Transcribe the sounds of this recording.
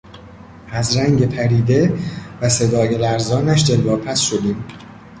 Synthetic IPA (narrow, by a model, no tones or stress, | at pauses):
ʔæzɾæŋɡe̞pʰæɾiːd̪e̞væse̞d̪ɒːjelæɾzɒːnæʃd̪elːɒːpʰæsʃod̪iːm